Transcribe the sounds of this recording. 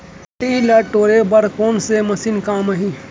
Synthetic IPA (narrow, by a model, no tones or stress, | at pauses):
ʈilɐʈoːɾebɐɾkoːnsemɐsiːnkaːmɐɦĩː